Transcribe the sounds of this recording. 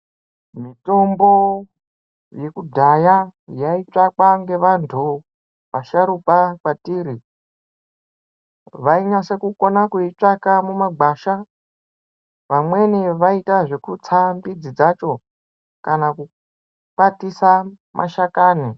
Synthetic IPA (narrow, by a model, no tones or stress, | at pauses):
mito̞mbo̞ | je̞kudʱajajait͡ʂakaŋɡe̞ʋantʰu | ʋaʃaɾupakwatiːɾi | ʋaiɲase̞kuko̞nakuit͡ʂakamumaɡ͡baʃa | ʋamwe̞niʋaitaʐe̞kut͡sʰambid͡zid͡zat͡ʃo̞ | kanaku | k͡patisa | mʔa̰ʃakaːni